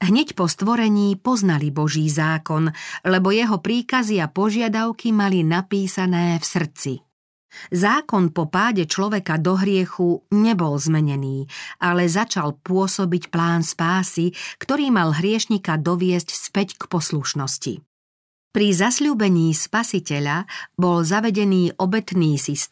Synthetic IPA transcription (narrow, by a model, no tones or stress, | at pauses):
ɦɲɛcpɔst̪ʋɔɾɛɲiːpɔznalibɔʒiːzaːkɔnlɛbɔjɛɦɔpɾiːkaziapɔʒɪad̪aʊkimalinapiːsanɛːfsr̩t͡si | zaːkɔnpɔpaːɟɛt͡ʃlɔʋɛkad̪ɔɦɾɪɛxuɲɛbɔlzmɛɲɛniːʔalɛzat͡ʃalpʊɔsɔbicplaːnspaːsikt̪ɔɾiːmalɦɾɪɛʃɲikad̪ɔʋɪɛscspɛckpɔsluʃnɔscḭ | pɾizasʎuːbɛɲiːspasicɛʎabɔlzaʋɛɟɛniːʔɔbɛt̪niːsis